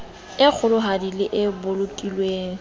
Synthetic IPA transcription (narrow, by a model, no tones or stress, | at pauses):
ɪk͡xʰʊlʊɦadilɪʔɪbʊlʊkʼilweːŋ̩